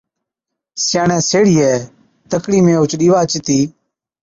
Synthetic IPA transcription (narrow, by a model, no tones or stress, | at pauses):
sjaːɳɛ̃ːseːɽiːɛː | t̪əkɽiːmẽːʊt͡ʃɗiːʋaːt͡ʃɪt̪iː